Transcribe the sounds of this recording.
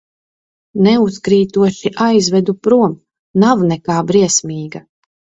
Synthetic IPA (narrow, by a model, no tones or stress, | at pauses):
nɛuskɾiːt̪uɔʃiʔajzvɛd̪upɾuɔm | navnɛkaːbɾiɛsmiːɡa